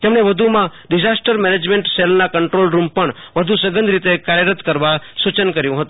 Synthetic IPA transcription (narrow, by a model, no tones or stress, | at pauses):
t̪emɳeʋəd̪ʱumãɖɪd͡ʒasʈəɾmɛned͡ʒmeɳʈselnakəɳʈɾolɾumpəɳʋəd̪ʱusəɡənd̪ɾit̪ekaɾjəɾət̪kəɾʋasut͡ʃənkəɾjũɦət̪ũ